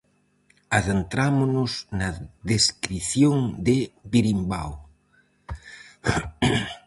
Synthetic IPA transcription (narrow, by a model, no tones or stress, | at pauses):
aðent̪ɾamʊnʊsnɐðeskɾiθjoŋd̪ɪβiɾimba̰w